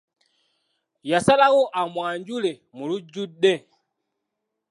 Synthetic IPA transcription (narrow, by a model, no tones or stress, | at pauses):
jasalaɣɔʔamwaɲd͡ʒulɛ | mulud͡ʒudɛ